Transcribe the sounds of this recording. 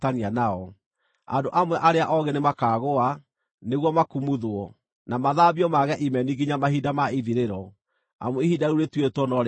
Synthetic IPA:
tanianaɔ | a̰ndoʔamwɛʔaɾeaʔɔɣenemakaːɣoa | neɣwɔmakumuðoɔ | namaðaβiɔmaɣɛʔimɛniɡiɲamaɦidamaiðiɾeɾɔ | a̰moihidauɾetwetwɔnɔɾ

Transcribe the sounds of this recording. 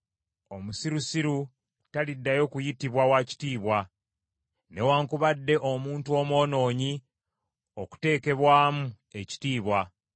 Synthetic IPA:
o̞musiɾusiɾu | talidːajo̞kujitiβwawaci̥tiːβwa | ne̞waːŋkuβadːe̞ʔo̞muːntuo̞mwo̞ːno̞ːɲi | oku̥te̞ːke̞βwaːmu | e̞ci̥tiːβwa

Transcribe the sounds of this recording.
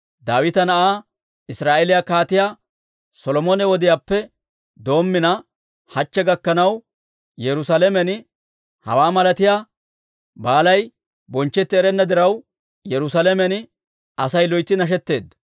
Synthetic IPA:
d̪aːwɪt̪ɐnɐʔaː | ɪsɾaːʔɛlɪjakaːt̪ɪjaː | sɔlɔmonɛwɔd̪ɪjaːpːɛ | d̪o̞ːmːɪnɐ | hɐt͡ʃːɛɡɐkːɐnɐw | jɛɾʊsɐlɛmɛn | hɐ̰waːmɐlɐt̪ɪjaː | baːlɐj | bɔnt͡ʃːɛt̪ːɪɛɾɛnːɐd̪ɪɾɐw | jɛɾʊsɐlɛmɛn | ɐsɐjlɔjt̪ːɪnɐʃ̬ɛt̪ːe̞ːd̪ːɐ̥

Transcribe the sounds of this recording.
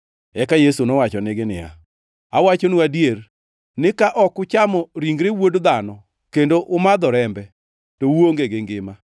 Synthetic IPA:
ɛkajesunɔwat͡ʃɔnɪɡɪnɪja̰ | awat͡ʃonuadjer | nɪkaʔɔkʊt͡ʃamɔɾiŋɡɾewodd̪anɔ | kendoʔʊmad̪ɔɾɛmbɛ | towoŋɡeɡɪŋɡɪma

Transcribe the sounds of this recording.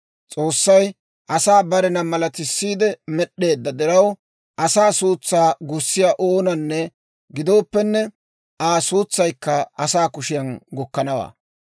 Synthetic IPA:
t͡sʼo̞ːsːɐj | ʔɐsaːbɐɾɛnɐmɐlɐt̪ɪsːiːd̪ɛmɛɗe̞ːd̪ːɐd̪ɪɾɐw | ʔɐsaːsuːt͡sːaːɡʊsːɪjaʔoːnɐnːɛ | ɡɪd̪o̞ːpːɛnːɛ | ʔaːsuːt͡sːɐjkːɐɐsaːkʊʃɪjɐnɡɔkːɐnɐwa̰ː

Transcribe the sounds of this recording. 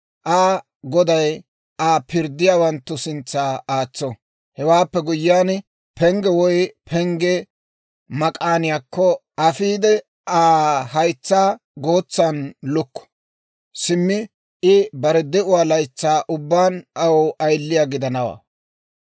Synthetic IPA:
ʔaː | ɡɔd̪ɐj | ʔaːpʰɪɾd̪ːɪjaːwɐnt̪ːʊsɪnt͡sːaːaːt͡sːɔ | hɛwaːpːɛɡʊjːaːn | pɛŋɡɛwɔjpʰɛŋɡɛ | mɐkʼaːnɪjaːkːɔʔɐfiːd̪ɛ | aːhɐjt͡sːaː | ɡoːt͡sːaːnlʊkːɔ̥ | sɪmːɪ | ʔɪbɐɾɛd̪ɛʔʊwaːlɐjt͡sːaːʔʊbːaːnɐwʔɐjlːɪjaːɡɪd̪ɐnɐwa̰ː

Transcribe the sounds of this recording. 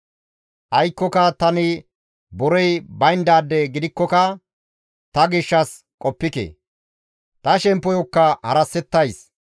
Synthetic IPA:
ʔɐjkːɔkɐt̪ɐnɪ | bɔɾɔjbɐjnd̪aːd̪ːɛɡɪd̪ɪkːɔkɐ | t̪ɐɡɪʃːɐs | kʼɔpːɪkḛ | t̪ɐʃɛmpːɔjɔkːɐhɐɾɐsːɛt̪ːɐjs

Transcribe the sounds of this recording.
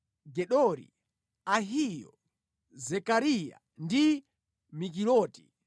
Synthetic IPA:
ɡɛɗɔɾḭ | aɦijɔ̰ | zɛkaɾija̰ | ndi | mik̬ilɔːti̥

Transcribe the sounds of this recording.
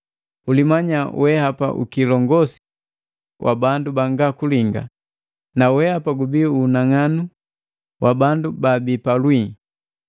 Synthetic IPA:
ulimaɲawʔɛhapa̰ʔṵkilɔŋɡɔsi̥ | wʔa̰bandubaŋɡakuliŋɡa̰ | nawɛhapaɡubiuːnaŋanu | wʔabandubabipalwi

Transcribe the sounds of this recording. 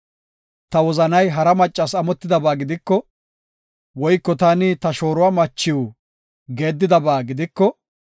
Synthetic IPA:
t̪ɐwɔzɐnɐjɦɐɾɐmɐt͡ʃʼːɐsɐmɔt̪ːɪd̪ɐbaːɡɪd̪ɪkːɔ | wɔjkːɔt̪ɐnɪt̪ɐʃo̞ːɾʊwaːmɐt͡ʃːɪw | ɡe̞ːd̪ːɪd̪ɐbaːɡɪd̪ɪkːɔ

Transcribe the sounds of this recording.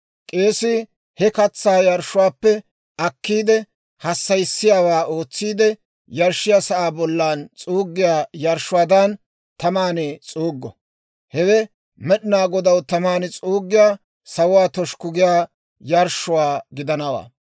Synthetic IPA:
kʼe̞ːsɪ | hɛkɐt͡sːaːjɐɾʃʊwaːpːɛ | ʔɐkːiːd̪ɛ | hɐsːɐjsːɪjaːwaːoːt͡sːiːd̪ɛ | jɐɾʃːɪjaːsɐʔaːbɔlːaːnt͡sʼuːɡːɪjaːjɐɾʃʊwaːd̪ɐn | t̪ɐmaːneːt͡sʼuːɡːɔ̰ | hɛwɛ | mɛɗɪnaːɡɔd̪ɐwt̪ɐmaːnɪt͡sʼuːɡːɪjaː | sɐwʊwaːt̪ɔʃkʊɡɪjaː | jɐɾʃʊwaːɡɪd̪ɐnɐwa̰ː

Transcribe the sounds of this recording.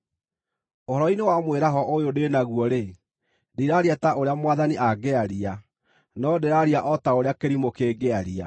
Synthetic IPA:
ohɔɾɔinewamweɾaɦɔʔojodenaɣwɔɾe | diɾaɾiataʔoɾeamwaðaniʔaɡɛaɾia | nɔdeɾaɾiaʔɔtaoɾeakeɾimokeɡɛaɾia̰

